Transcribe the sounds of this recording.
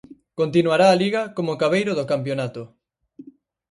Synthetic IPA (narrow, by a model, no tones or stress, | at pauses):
kont̪inuaɾaːliɣɐkomokaβejɾoðokampjonat̪ʊ